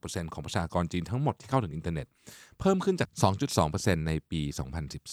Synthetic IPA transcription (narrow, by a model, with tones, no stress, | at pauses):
pːse˧nkʰɔː˩˦ŋpɾa˧t͡ɕʰaː˧kɔː˧nt͡ɕiː˧nt̪ʰa˦˥ŋmo˨˩t̪ʰːiː˥˩kʰa˥˩w̪ʰɯ˩˦ŋʔi˧nt̪aː˧nḛ˨˩t̪̚pʰɤː˥˩mkʰɯ˥˩nt͡ɕaː˨˩sɔː˩˦ŋt͡ɕu˨˩t̪̚sɔː˩˦ŋpɤː˧se˧nːa˧jpiː˧sɔ̰ː˩˦ŋpʰa˧nsi˨˩p̚s